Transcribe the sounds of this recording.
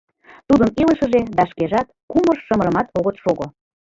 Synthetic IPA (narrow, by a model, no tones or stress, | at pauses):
t̪ud̪əniləʃə̆ʒed̪ɑʃkeʒɑt̪kumərʃə̆mə̆ɾə̆mɑt̪oɣət̪ʃoɣo